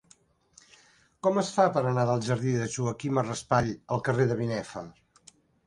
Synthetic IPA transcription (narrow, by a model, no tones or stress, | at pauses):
kɔməsfapəɾənaðəlˠʒəɾðiðəʒuəkimərəspaʎəlˠkəreðəβinɛfə